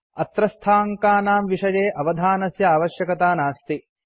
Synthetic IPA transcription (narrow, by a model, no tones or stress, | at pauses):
ɐt̪ɾɐst̪ʰaːŋkaːnaːmʋiʂɐjeːʔɐʋɐd̪ʱaːnɐsjɐaːʋɐʃjɐkɐt̪aːnaːst̪i